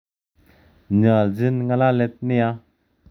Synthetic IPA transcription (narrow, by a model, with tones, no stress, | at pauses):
nɯ˩˨lzi˥nŋa˨la˦lɛ˦t̪̚ni˦a˦